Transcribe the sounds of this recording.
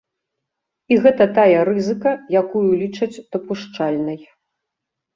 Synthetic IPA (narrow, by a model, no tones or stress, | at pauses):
iɣɛt̪ɐt̪ajɐɾɨzɨkɐjakujulʲit͡ʂɐt͡sʲd̪̥ɐpuʂt͡ʂalʲnɐj